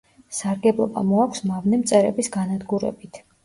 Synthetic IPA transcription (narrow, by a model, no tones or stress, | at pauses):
saɾɡɛblˠɔba̰mɔakʷʰsmavnɛmt̪sʼɛɾɛbisɡanad̪ɡuɾɛ̰bit̪ʰ